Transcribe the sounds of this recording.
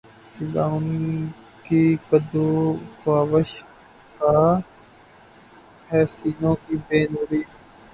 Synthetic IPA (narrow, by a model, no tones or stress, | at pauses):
sɪɗaːʊn | kiːkəd̪oːkaːʋəʃ | kaː | hɛːsiːnõːkiːbeːnuːɾiː